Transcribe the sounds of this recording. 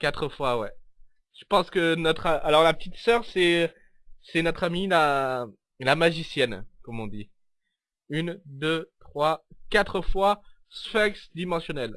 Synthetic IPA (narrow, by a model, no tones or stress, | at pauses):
kat̪χəfwawɛ | ʒəpɑ̃skənɔt̪χaalɔʁlapət̪it̪sœʁsɛ | sɛnɔt̪χamila | lamaʒisjɛnkɔmɔ̃d̪i | ynd̪øt̪χwakat̪χəfwa | sfɛksd̪imɑ̃sjɔnɛl